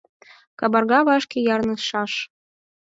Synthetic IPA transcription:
kɑbɑrɣɑβɑʃkʲejɑrnɤ̆ʃɑʃ

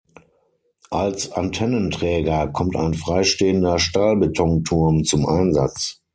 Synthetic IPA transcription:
ʔalsantʰɛnəntʁ̥ɛːɡɐkʰɔmta̰ɪnfʁ̥aɪʃteːəndɐʃtaːlbətʰɔŋtʰʊɐmt͡sʊmʔaɪnza̰t͡s

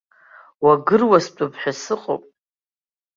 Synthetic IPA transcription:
waɡɨrwast͡pʷʼʊpʰħʷᶣasɨqʼo̰pʼ

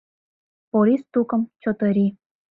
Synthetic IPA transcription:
poɾʲist̪ukɤ̆mt͡ɕot̪ɤ̆ɾʲi

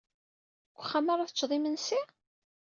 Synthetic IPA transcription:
ɡʷəχːamaɾˤaθət͡ʃːðˤimənsi

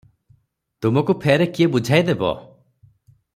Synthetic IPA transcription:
t̪umɔkupʰeɾekiebud͡ʒʱajd̪ebɔ̰

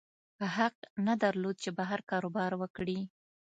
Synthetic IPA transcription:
pəɦaq̚nad̪aɾlod̪̚t͡ʃebaɦaɾkɑɾobɑɾwəkɽi

